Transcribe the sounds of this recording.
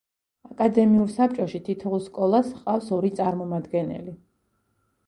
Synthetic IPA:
akʼad̪ɛmiuɾsap̚ʼt͡ʃʼɔʃit̪ʰit̪ʰɔulˠskʼɔlˠasqʼafsɔɾit̪sʼaɾmɔmad̪ɡɛnɛ̰li

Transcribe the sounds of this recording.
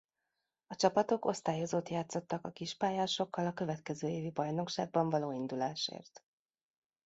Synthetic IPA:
ɒt͡ʃɒpɒt̪o̞ko̞st̪aːjo̞zoːt̪jaːt̪so̞t̪ːɒkɒkiʃpaːjaːʃo̞kːɒlɒkøvɛt̪kɛzøːeːvibɒjno̞kʃa̰ːɡ̚bɒɱvɒloːind̪ulaːʃḛːrt̪

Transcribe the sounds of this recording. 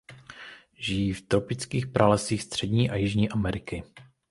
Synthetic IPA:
ʒɪjiːft̪ɾo̞pɪt͡skiːxpɾʔalɛsiːxst̪r̝̥ɛdɲiːʔajɪʒɲiːʔamɛɾɪkɪ

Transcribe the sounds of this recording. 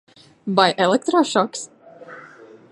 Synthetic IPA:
bajʔɛlˠɛk̚t̪ɾɔʃɔks

